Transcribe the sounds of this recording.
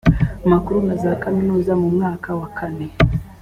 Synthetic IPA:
makuɾunazakaninuzamumwaːkawakʰani

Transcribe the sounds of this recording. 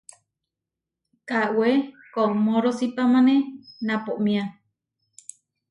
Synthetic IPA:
kawe | komoɾosipamanenapoʔmĩa

